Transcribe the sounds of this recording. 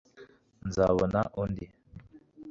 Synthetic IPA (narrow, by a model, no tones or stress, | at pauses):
nd͡zawənaʔɔndi